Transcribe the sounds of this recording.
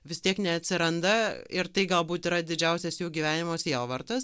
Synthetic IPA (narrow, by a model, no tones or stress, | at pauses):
ʋʲɪst̪ʲiɛknʲɛɐt̪ʲsʲɪɾɐnd̪ɐɪrt̪ɐɪɡɐlˠbuːt̪iːɾɐd̪ʲɪd͡ʒʲɛʊsʲɛsjuːɡʲiːʋʲæːnʲɪmoːsiɛlˠʋɐrt̪ɐs